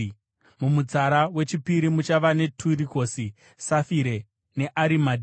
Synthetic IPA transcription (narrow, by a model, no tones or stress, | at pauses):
mumut͡saɾawe̞t͡ʃipiɾimut͡ʃaʋane̞tʰuɾiko̞si | safiɾe̞ | ne̞ʔaɾimad